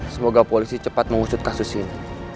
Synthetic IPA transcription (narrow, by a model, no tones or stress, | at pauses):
səmoɡapolisit͡ʃəpat̪̚məŋusʊt̪̚kasʊsini